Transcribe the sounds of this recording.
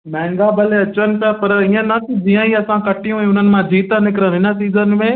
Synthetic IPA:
mɛ̃ːŋɡabɐleɐt͡ʃənɪ̆pɪjapɐɾiə̃nɐkʰid͡ʒĩjãiɐsãkɐʈijũɛ̃ːʊn̤ənɪ̆mãd͡ʒiːt̪ənɪkɾənɪnəsiːzənmẽ

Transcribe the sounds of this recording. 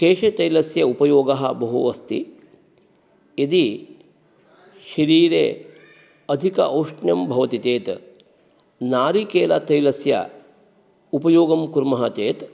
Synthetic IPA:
keːʃet̪ɐjlɐsjɐupɐjoːɡɐɦɐbɐɦuʋɐst̪ḭ | ed̪i | ʃɐɾiːɾeː | ɐd̪ʱikɐ̰ʔɐwʂɳjɐmbʱɐʋɐt̪it̪eːt̪ | naːɾikeːlɐt̪ɐjlɐsjɐ̰ | upɐjoːɡɐmkuɾmɐɦɐt̪eːt̪

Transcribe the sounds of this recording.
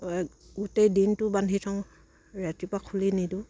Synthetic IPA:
ɡutejdintubanɦitʰɔŋ | ɹɛtipakʰulinidu

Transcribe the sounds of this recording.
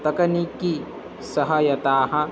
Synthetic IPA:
t̪ɐkɐniki | sɐɦɐjɐt̪aːɦɐ̆

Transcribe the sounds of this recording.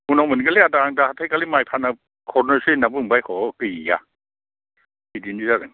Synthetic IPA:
unawmɯnɡaliadaaŋdahatʰajkalimajpʰana | kʰɔɾnɔɾsɯnabɯŋbajkʰɔkɯjija̰ | idindizadɯŋ

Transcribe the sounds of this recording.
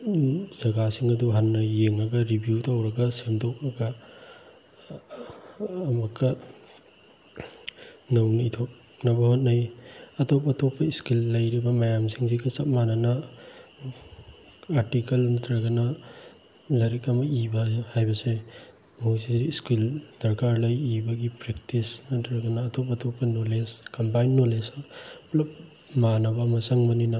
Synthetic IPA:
zɐɡasiŋɐduɦɐnːɐjeŋɐɡɐɾibjutawɾɐɡɐsemtʰok̚ɾɐɡɐ | mɐkːɐ | nɐwniitʰok̚ | nɐbɐhot̚najɐtopɐtopːɐiskilːɐjɾibɐmajamsiŋsikɐsɐt̚manɐnɐ | aɾtikɐlnɐtʰɾɐɡɐnɐ | lɐɾikɐmɐibɐhajbɐse | mosiːskildɐɾkaɾlɐjibɐɡipɾek̚tisnɐtʰɾɐɡɐnɐːtʰopɐtʰopʰːɐnoleskɐmpajnːolesplɐp | manɐbɐmɐsɐŋbɐninɐ

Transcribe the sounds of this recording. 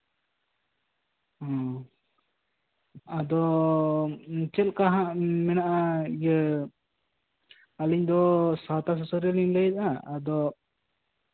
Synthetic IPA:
ɔ̃ | ad̪ɔ | t͡ʃɛlkaɦãʔmɛnaʔajə | aliɲd̪ɔsat̪as̬ɔsɔɾɛliŋlɛit̪̚aːd̪ɔ

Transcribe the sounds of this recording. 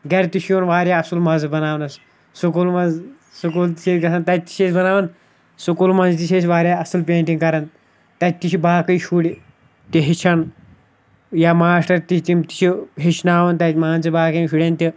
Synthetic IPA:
ɡɐɾt̪iʃʰjoːnʋaːɾʲjaːɐsulmɐzbɐnaːʋnɐs | sukulmɐz | sukuːlt̪i̥t͡ʃʰeːtʲɡɐsɐnt̪ɐt̪i̥t͡ʃʰesbɐnaːʋɐn | sukulmɐnzt̪it͡ʃʰesʲʋaːɾʲjaːɐsɨlpʲeːɳʈiŋɡkɐɾɐn | t̪ɐt̪it͡ʃʰibaːkɐjʃuɽi | t̪iɦit͡ʃʰɐn | jaːmaːsʈɐɾt̪it̪imt̪i̥t͡ʃʰiɦit͡ʃʰnaːʋɐnt̪ɐmaːnt͡sibaːkɐmʃuɽʲent̪ʲi

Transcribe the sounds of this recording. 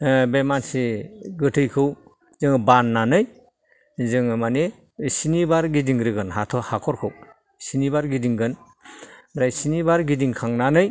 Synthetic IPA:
bemansiɡɯtʰɯjkʰɯw | zɯŋbanːanɯj | zɯŋmane | sinibaɾɡidiŋɾɯɡɯnɦatʰɔhakʰɔɾkʰɯw | sinibaɾɡidiŋɡɯn | bɾajsinibaɾɡidiŋkʰaŋnanɯj

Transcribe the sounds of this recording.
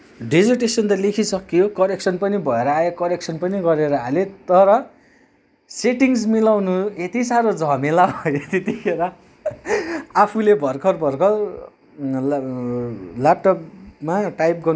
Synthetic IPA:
ɖed͡zʌrʈesʌnt̪ʌlekʰisʌkːijokʌɾeksʰʌnpʌnibʱʌeɾʌaekʌɾek̚sʰʌnpʌniɡʌɾeɾʌɦalet̪ʌɾʌ | seʈiŋsmilawnuet̪isaɾod͡zʱʌmelabʱʌjot̪et̪ikʰeɾʌ | apʰulebʱʌrkʰʌrbʱʌrkʰʌr | lap̚ʈʌpmaʈajpɡʌr

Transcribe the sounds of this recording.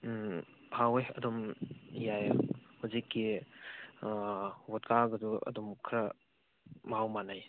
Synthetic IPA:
bʰʱawejɐ̰dɔmjajhuzikːi | wɔtkʰaɡɐduɐ̰dɔmkʰɾɐ | mawmanaj

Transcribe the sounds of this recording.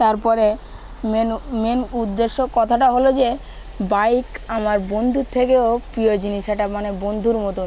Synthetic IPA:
t̪aɾpɔɾe | menmenud̪ːeʃːokɔt̪ʰaʈaɦolod͡ʑe | bajkamaɾbond̪ʱuɾt̪ʰekeopɾiod͡ʑiniʃaʈamanebond̪ʱuɾmɔt̪o

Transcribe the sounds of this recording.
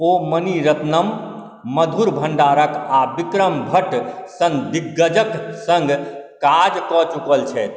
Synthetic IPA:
oməniɾət̪nəmː | əd̪ʱuɾbʱəɳɖaɾəkabikɾəmbʱəʈsə̃ŋɡd̪iɡːəd͡ʒəksəŋɡkad͡ʒkɔt͡ʃukəlt͡ʃʰɛt̪

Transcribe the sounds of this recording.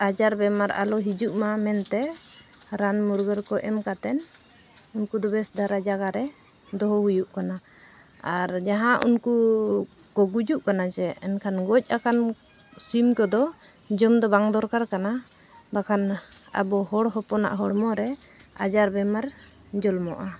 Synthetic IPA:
ad͡ʒaɾbɛmaɾa̰lɔɦid͡ʒuʔmamɛnt̪ɛ | ɾanmuɾɡəɾkɔʔɛmkat̪ɛn | unkud̪ɔbɛsd̪ʱaɾad͡ʒaɡaɾɛ | d̪ɔɦɔɦujuʔkana | aɾd͡ʒaɦãʔṵnku | kɔɡud͡ʒuʔkanat͡ʃɛɛnkʰanɡɔc̚ˀakan | simkɔd̪ɔ | d͡ʒɔmd̪ɔbaŋd̪ɔɾkaɾkana | bakʰana̰bɔɦɔɽɦɔpɔna̰ʔɦɔɽmɔɾɛ | a̰d͡ʒaɾbɛmaɾ | d͡ʒɔlmɔʔa

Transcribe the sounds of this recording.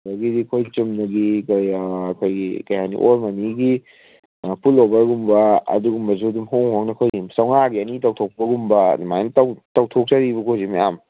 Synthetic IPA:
baɡidikʰojt͡ʃumnɐɡikjːkʰojɡikɐjanḭʔoɾmɐniɡi | pʰulobɐɾɡumbɐɐ̰duɡumbɐzudumhoŋhoŋnɐkʰojimsawŋaɡiɐnitɐwtʰok̚pɐɡumbɐ̰nimajntawtɐwtʰok̚t͡ʃaɾibɐkʰozimijam

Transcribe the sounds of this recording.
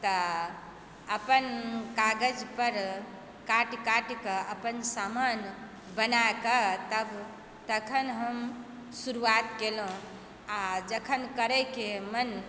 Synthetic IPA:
t̪ə | əpənkaɡəd͡ʒpəɾ | kaʈkaʈkəʔəpənsaman | bənakət̪əb | t̪əkʰənɦəm | suɾuat̪kelɦõ | ad͡ʒəkʰənkəɾəkemən

